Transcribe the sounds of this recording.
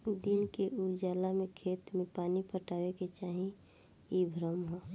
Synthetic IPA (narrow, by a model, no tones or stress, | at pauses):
d̪inkeʔuɾd͡ʒaːlamẽkʰeːt̪mẽpaːnipʰəʈaːʋeket͡ʃaːɦĩ | ibʱɾəmɦo